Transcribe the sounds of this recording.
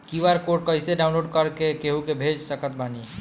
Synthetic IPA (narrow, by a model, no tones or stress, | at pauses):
kiʋaɾkoʈ̚kəiseɖaʊnloɖkəɾkekeɦũkebʱed͡ʒsəkət̪̚bani